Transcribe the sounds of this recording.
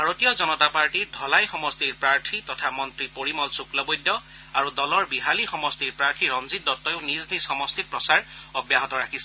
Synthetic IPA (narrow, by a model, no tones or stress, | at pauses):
bʱaɹotijɔzɔnɔtapaɹʈiɹdʱɔlajxɔmɔstiɹpɹaɹtʰitɔtʰamɔntɹipoɹimɔlsuklɔbojdːɔ | aɹudɔlɔɹbiɦalixɔmɔstiɹpɹaɹtʰiɹɔnzit̚dɔtːɔjʊniznisxɔmɔstit̚pɹɔsaɹɔbjaɦɔtɔɹakʰisɛ